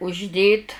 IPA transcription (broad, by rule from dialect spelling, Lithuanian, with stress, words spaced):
ʊʒʲˈdʲeːt